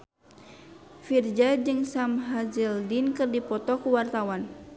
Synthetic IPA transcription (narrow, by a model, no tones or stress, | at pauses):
fird͡ʒad͡ʒɨŋsamɦazildinkɨrdipɔt̪ɔkuwart̪awan